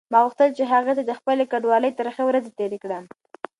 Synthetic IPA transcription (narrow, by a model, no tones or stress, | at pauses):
mɑɣuxt̪əlt͡ʃeɦaɣat̪ad̪əxpəlekaɖwɑləjt̪əɾəxawɾazet̪eɾekɽəm